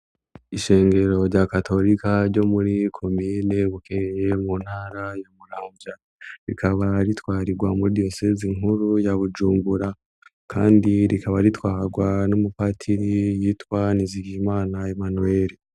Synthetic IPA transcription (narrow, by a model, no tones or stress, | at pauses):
iʃe̞ːŋɡe̞ɾo̞ɾɟakatʰo̞ɾikaɾɟo̞muɾikʰo̞mine̞βukeɾejemun̥haːɾajomuɾaːmvja | ɾḭkʰaβaɾitwaːɾiɡwamuɾidio̞seziŋuɾujaβud͡ʒuːmbuɾa | kʰa̰ːndiɾikʰaβaɾitwaːɾɡwanumupatʰiɾijiːtwaniziɡimaːnae̞manue̞ːɾi